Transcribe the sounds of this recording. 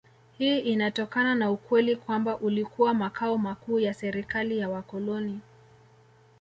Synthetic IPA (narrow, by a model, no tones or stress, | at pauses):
hiːʔinatɔkananaukwɛlikwambaʔulikuwamakaɔmakuːjasɛɾikalijawakɔlɔni